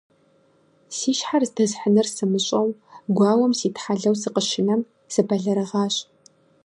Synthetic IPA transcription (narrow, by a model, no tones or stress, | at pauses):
siːʃħarzdɐzħənɨrsɨmɨɕʼɐwɡʷɑːwɐmsiːtħaɮɐwsɨqəʃɪnɐm | sɨpʰɐɮɐɾɨʁɑːɕ